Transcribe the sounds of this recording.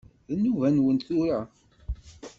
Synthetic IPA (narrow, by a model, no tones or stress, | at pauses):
ðənːuvænwənt̪θʊɾa